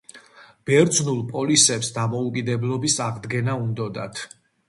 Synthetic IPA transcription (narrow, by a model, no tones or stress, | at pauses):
b̥ɛɾd̪znulˠpʼɔlisɛpsd̪amɔukʼid̪ɛblˠɔbisaʁd̪ɡɛnaund̪ɔd̪a̰t̪ʰ